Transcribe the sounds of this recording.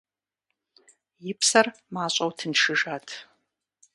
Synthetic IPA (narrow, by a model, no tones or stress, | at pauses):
jɪpʰsɐrmaːɕʼɐwtʰɨnʂɨʒaːtʰ